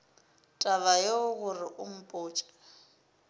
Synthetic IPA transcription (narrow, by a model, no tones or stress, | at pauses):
tʼaβajoʊɣʊrɪʔʊm̩pʼʊːt͡ʃʼḁ